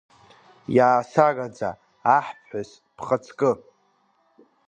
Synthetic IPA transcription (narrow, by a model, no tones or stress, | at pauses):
jaːsakʼad͡za̰ː | ħpʰħʷᶣas | pʰχət͡sʰkʼɨ